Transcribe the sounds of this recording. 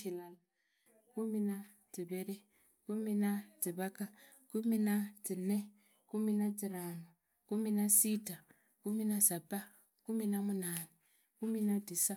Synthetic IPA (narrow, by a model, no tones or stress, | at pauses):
ilala | kumina | tiβeɾi | kuminatiβaka | kuminatine | kuminatiɾaːnu | kuminasita | kuminasaba | kuminamunaːne | kuminadisa